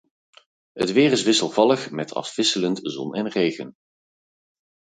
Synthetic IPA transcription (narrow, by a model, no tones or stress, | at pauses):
ɦə̰tʋɪːrɪsʋɪsəlˠvɑləχmɛtʰɑ̰fv̥ɪsələntzɔ̰nɛnrejɣən